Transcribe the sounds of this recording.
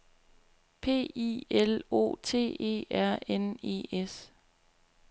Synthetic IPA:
pʰe̝̰ːḭelo̝̰ːt͡sʰe̝̰ːe̝̰ːæɐ̰ene̝̰ːes

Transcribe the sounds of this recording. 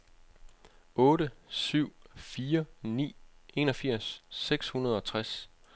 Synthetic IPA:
ɔ̽ːɾəsyʊ̰fiːɐnḭːe̝ːnɒ̽fiɐ̰sːeɡ̥shunɐð̞̩ˠɒ̽t͡sʰʁas

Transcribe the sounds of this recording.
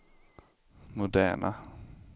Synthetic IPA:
mʊd̪æ̰ːɳʔa̰

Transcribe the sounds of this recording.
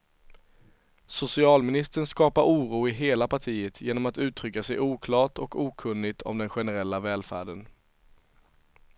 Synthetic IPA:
sʊsɪɑːlmɪnɪst̪əɳskɑːpaɾʔuːɾuːɪɦeːlapʰaʈʰiːət̪ʰjeːnɔmat̪ʉ̟ːt̪ʰɾʏkːasɛjʔuːkʰlɑːʈɔkuːkʰɵnːɪt̪ʰɔ̰md̪ɛnɧɛnəɾɛlːavɛːlfæ̰ːɖən

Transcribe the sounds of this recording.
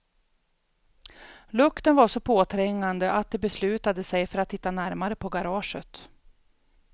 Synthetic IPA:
lɵkt̪ənvaʂɔpʰoːt̪ʰɾɛŋːand̪əʔat̪̚d̪ɛbɛslʉ̟ːt̪ad̪əsɛjfœɾat̪ʰːɪ̥t̪ːanæɾmaɾəpʰɔɡaɾɑːʂət̪

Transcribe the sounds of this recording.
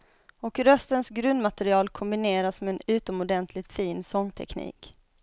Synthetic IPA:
ɔkɾœst̪ənsɡɾɵnd̪mat̪ɛɾɪɑːlkʰɔmbɪneːɾasmɛːnʉ̟ːt̪ɔmɔd̪ɛnt̪ʰlɪɡt̪fiːnsɔŋːt̪ʰɛ̰knḭːk

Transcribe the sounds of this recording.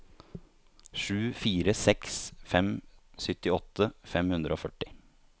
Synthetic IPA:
ʂʉːfiːɾəsɛksfɛmsʏt̪ɪɔt̪ʰːəfɛmhʉnd̪ɾəoːfœʈːɪ

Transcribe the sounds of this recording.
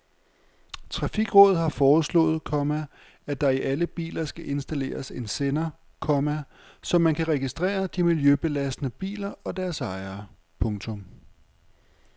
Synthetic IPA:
t͡sʰʁɑ̈fiɡ̥ʁɔ̽ːð̩ˠɦɑ̈fɒːslɔ̰̽ːð̩ˠkʰɒ̽mæ | æd̥ɑ̈iʔæləb̥ḭːlɐsɡ̥æʔe̝nsd̥æle̝̰ːɐse̝nsenɐ | kʰɒ̽mæ | sɒ̽mːænkʰæʁɛɡ̥isd̥ʁɛ̰ːɐd̥imiljøb̥e̝læsd̥nəb̥ḭːlɐɒ̽d̥æɐsɑ̈ɪɐː | pʰɔ̽ŋt͡sʰɔ̽m

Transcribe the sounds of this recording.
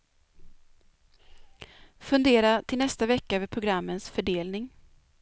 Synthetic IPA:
fɵnd̪eːɾat̪ʰɪlnɛst̪avɛkːaøːvəɾpʰɾʊɡɾamːənsfœɖeːlnɪŋ

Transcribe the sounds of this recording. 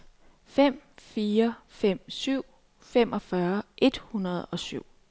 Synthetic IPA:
fem̰fiːɐfem̰syʊ̰ | fem̰ʔɒ̽fɶɐʔe̝d̥hunɐð̞ˠɒ̽syʊ̰

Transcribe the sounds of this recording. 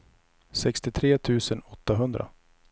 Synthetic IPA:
sɛkst̪ɪt̪ʰɾeːt̪ʰʉ̟ːsənɔt̪ːaɦɵnd̪ɾa̰

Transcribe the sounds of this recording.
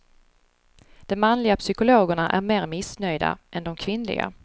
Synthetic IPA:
d̪̥ɛmmanlɪɡapsʏkʊloːɡəɳaʔæɾmeːɾmɪsnœjd̪a̰ʔɛnd̪ɔmkʰvɪnlɪ̰ɡa̰

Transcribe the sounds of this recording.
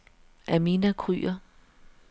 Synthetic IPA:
ʔæminækʰʁy̰ːɐ

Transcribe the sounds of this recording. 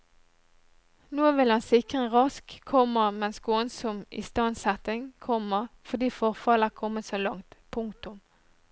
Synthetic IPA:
noːʋɪlɑnsɪkʁəʁɑskʰɔməʁmɛnsɡ̥oːənsɔmɪ̰st̪ɑnsɛt̪ɪŋkʰɔməʁfɔʁd̪iːfɔʁfɑləkʰɔmːəsoːlɑŋt̪pʰʊŋkt̪ʊm

